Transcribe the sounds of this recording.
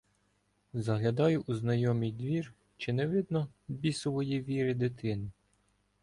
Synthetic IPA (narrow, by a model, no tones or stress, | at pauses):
zɐɦlʲɐd̪ɑjʊʔuznɐjɔmʲijd̪ʋʲir | t͡ʃɪnɛʋɪd̪nɔ | bʲisʊʋɔjiʋʲiɾɪd̪ɪt̪ʰɪnɪ